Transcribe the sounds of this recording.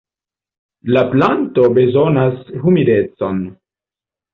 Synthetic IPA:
laplanto̞be̞zo̞nashumidet͡so̞n

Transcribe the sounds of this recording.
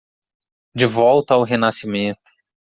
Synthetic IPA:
d͡ʒɪvɔwt̪ɐawɦenasimẽt̪ʊ̥

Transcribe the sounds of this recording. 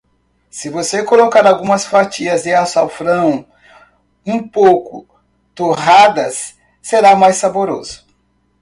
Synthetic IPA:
sɪvosekolokaɾawɡũmɐsfat͡ʃiɐzd̪ɪasawfɾɐ̃w̃ | ũpowkʊ̰ | t̪oɦad̪ɐsː | eɾamajsaboɾo̰zʊ̥

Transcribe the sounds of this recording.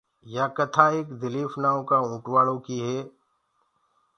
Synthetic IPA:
jaːkət̪ʰaːeːkd̪ɪliːfʰnaːõkaːũːʈwaːɽõːkiɦɛː

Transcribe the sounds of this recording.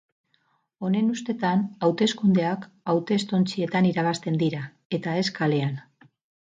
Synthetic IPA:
o̞ne̞nust̪e̞t̪anawt̪e̞skund̪e̞ak | awt̪e̞st̪o̞nt͡sie̞t̪aniɾaβ̞ast̪e̞nd̪iɾa | e̞t̪ae̞skale̞an

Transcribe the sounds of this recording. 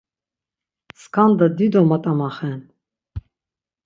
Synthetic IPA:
skʰand̪ad̪id̪ɔmat̪ʼamaχɛn

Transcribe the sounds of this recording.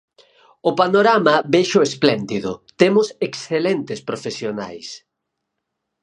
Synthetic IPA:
ʊpanoɾamɐβeʃʊesplɛnd̪iðʊ̰t̪emʊseksθelent̪ɪspɾofesjona̰js

